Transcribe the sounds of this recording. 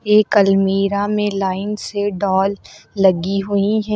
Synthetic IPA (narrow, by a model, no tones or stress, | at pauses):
eːkəlmiːɾamẽlaːɪnseɖɔːlːɐɡiɦʊiɦɛ